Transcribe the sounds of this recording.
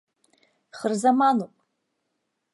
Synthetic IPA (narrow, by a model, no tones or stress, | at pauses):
χərzamanupʼ